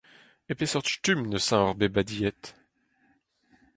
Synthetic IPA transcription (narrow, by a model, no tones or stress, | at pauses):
epesɔʁt̪t̪ymnəsɛ̃ɔʁbebad̪ijɛt̪